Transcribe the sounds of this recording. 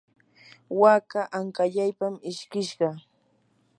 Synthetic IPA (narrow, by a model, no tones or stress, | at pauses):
wakaʔaŋkaʎajpamɪʃkɪʃɢɑ